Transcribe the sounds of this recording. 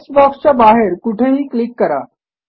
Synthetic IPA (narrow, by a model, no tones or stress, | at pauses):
sbɔkst͡ɕabaɦeɾkuʈʰeɦiːklikːəɾa̰